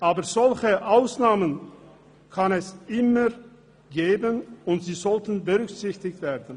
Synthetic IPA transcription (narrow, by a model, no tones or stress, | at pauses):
ʔaːbɐzɔlçəʔaʊsnaːmən | kʰanɛsʔɪmɐ | ɡeːbənʊntz̥iːzɔltən̩bəʁʏkz̥ɪçtɪçtv̥eːɐdn̩